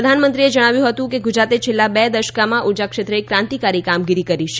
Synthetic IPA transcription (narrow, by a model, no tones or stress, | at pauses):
əd̪ʱanmənt̪ɾied͡ʒəɽ̃aʋjũɦət̪ũkeɡud͡ʒɾat̪et͡ʃʰelːabɛd̪əʃkamãʔud͡ʒakʃet̪ɾəekɾãnt̪ikaɾikamɡiɾikəɾiʃe